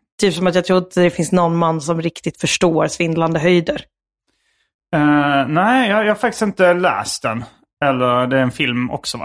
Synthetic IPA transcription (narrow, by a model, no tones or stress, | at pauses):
t̪ʰyːpsɔmat̪jɑt̪ʰɾuːt̪əd̪ɛfɪnsnɔnːmanːsɔmɾɪkt̪ɪt̪fœʂʈoːɾsvɪnd̪land̪əɦœjd̪əɾ | ɛnæɪjɑjɑːhaɾfakt̪ɪ̥st̪ɪnt̪əlæ̰ːst̪̚d̪ɛn | ɛlːəɾd̪ɛɾɛnfɪlmɔ̰ksɔ